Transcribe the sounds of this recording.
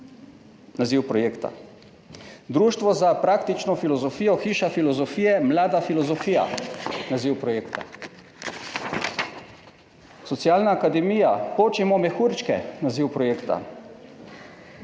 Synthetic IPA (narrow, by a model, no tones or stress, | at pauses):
naziwpɾɔjeːkt̪a̰ | d̪ɾuːʃt̪ʋɔzapɾaːkt̪it͡ʃnɔfilɔzɔfiːjɔxiːʃafilɔzɔfiːjɛmlaːd̪afilɔzɔfiːja̰naziwpɾɔjeːkt̪a̰ | sɔsijaːlnaːkad̪ɛmiːjapoːt͡ʃimɔmɛxuːɾt͡ʃkɛ̰naziːwpɾɔjeːkt̪a̰